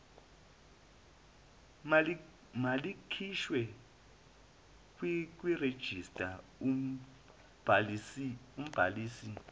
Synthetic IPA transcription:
malikʰiʃwɛ | kk̬ʼwired̥ʒ̥ʱistʼa | um̩b̥ʱaliːsi

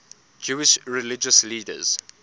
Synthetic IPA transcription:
d͡ʒuɪʃɹɛlɪd͡ʒəsliːdə̰z̥

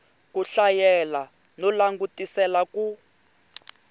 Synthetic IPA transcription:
kuɬajɛla | nɔlaŋɡutisɛlaku

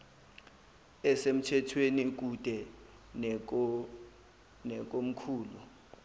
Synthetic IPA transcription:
ɛsem̩tʰɛtʰwenik̬ud̥ʱɛ | n | nɛk̬om̩kʰuːlu

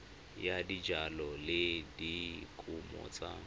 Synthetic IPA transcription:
jadid͡ʒalɔlɪdikʼumɔ̰t͡sa̰

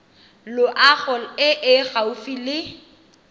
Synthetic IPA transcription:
lʊʔaɣɔɪʔɪɣaʊfilɪ

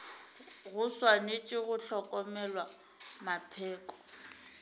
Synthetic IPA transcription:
ɣʊswanet͡ʃʼɪɣʊɬɔkʼɔmɛlwa | mapʰɛːkʼɔ̥

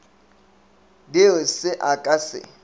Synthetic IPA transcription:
dɪʊsɪʔakʼasɪ̰

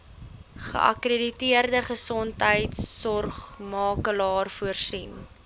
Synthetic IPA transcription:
χə̰ʔɐ̰kreditiərdəχəsɔntɦəjtsːɔrχmɑːkəlɑːrfuərsin

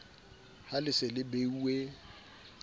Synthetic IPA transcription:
halɪsɪlɪbeue

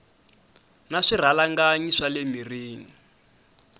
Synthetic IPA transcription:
naʂir̤alaŋɡaɲiʂalemiriːŋi

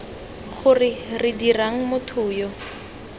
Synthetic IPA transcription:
χʊrɪrɪdiraŋ̩mʊtʰʊːjɔ

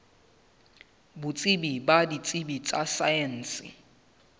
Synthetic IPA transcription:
bʊt͡sʼɪbibadit͡sʼɪbit͡sʼasajɛn̩ːsɪ̰

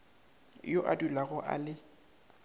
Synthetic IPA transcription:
joʔa̰dulaɣɔʔa̰lɪ

